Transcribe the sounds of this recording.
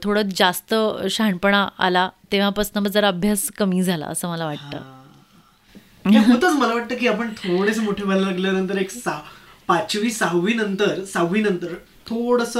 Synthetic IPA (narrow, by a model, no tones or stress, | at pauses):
t̪ʰoɽəd͡zast̪əɕaɳpəɳ̃aa̰lat̪eʋ̤apəsnəbəd͡zəɾaəbʱjaskəmiːd͡zʱala̰ə̰səːməlaʋaʈ̚t̪ə̰ | t̪akot̪ət͡sməlaʋaʈ̚t̪əːkiːapəɳt̪ʰoɽesəmoʈʰebʱalalaɡljanənt̪əɾeksapat͡ɕʋiːsaɦʋiːnənt̪əɾsaɦʋiːnənt̪əɾ | t̪ʰoɽəsə